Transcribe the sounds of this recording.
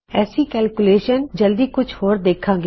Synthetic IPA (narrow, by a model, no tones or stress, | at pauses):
ɛːsiːkɛːlkʊleːʃənd͡ʒəld̪iːkʊt͡ʃʰhoːɾd̪eːkʰːãːɡe